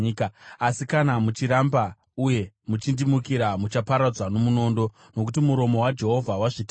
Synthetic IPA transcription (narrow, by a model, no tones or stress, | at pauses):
kasikanamut͡ʃiɾamba | uje̞ | mut͡ʃindimukiɾamut͡ʃapaɾad͡zwano̞muno̞ːndo̞ | no̞k̬utimuɾo̞mo̞wad͡ʒe̞ɦo̞vʱawaʐit